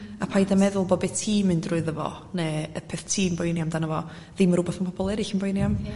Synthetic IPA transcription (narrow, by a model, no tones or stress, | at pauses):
apʰajdamɛðʊlˠbɔbɛtʰiːmɨndrʊɨðəvɔ̰ | nɛəpʰɛθtʰiːmbɔjnijamdanəvɔ | ðiːməɾʊbɔθmanpʰɔbɔlˠɛɾɪɬənbɔjnjam